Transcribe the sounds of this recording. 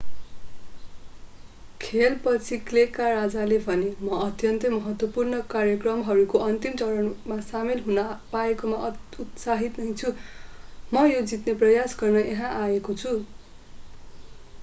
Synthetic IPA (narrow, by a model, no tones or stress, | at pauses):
kʰelpʌt͡sʰiklekarad͡zalebʱʌnemʌʌt̪jʌnt̪ʌmʌɦʌt̪wʌpurnʌkarjʌkrʌmɦʌɾukoʌnt̪imt͡sʌɾʌnmasamelɦunapaekomaʔut̪saɦit̪nʌjt͡sʰu | mʌjod͡zit̪neprʌjasɡʌrnʌʔeɦãʔaekot͡sʰu